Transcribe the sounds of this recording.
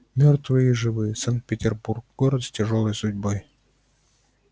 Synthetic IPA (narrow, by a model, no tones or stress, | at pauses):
mʲort̪vɨjiʐɨvɨjəsankt̪̚pʲɪtʲɪrburk̚ɡoɾət̪sʲtʲɪʐolˠəjsʊdʲboj